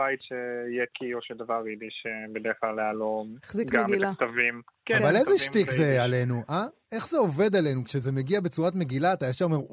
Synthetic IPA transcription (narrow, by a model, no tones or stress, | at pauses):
bajt̪ʃeijekʰioʃed̪avaʁid̪iʃebed̪efalealomeziɡamɡlat̪avimkavalejzeʃttikzeale̞nuʔa | e̞χzeo̞ve̞d̪ale̞nukʃeze̞meɡiabet͡suʁat̪me̞ɡilaːt̪ajaʃaome̞ʁ